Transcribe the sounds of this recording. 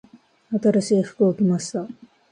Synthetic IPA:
at̪aɾaɕiːɸɯ̟̥kɯokʲimaɕi̥t̪a

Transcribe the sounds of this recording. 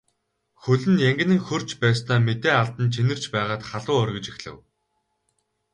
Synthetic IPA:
xɵɮɘ̆njæŋɡʲɪ̆nɘ̆ŋxɵr̥t͡ɕpæːst̪aːmet̪eːaɮt̪ə̆nt͡ɕʰenɘ̆r̥t͡ɕpæːʁaːt̪χaɮʊːœrɣʲɪ̆t͡ɕixɮɘ̰̆w

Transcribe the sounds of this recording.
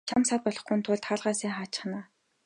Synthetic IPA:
t͡ɕʰamsaːt̪̚pɔɮɞ̆χɡunt̪ʰʊːɮt̪χaːɮʁaːsiːŋχaːt͡ɕ̆χnaː

